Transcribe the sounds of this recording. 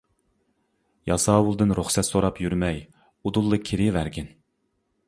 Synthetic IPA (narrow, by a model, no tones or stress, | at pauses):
jɑsɑːwulˠd̪ɨnɾuχsɛt̪soɾɑpjyɾmɛj | ud̪ulˠːɨkʲʰeɾɪvæɾɡʲɛn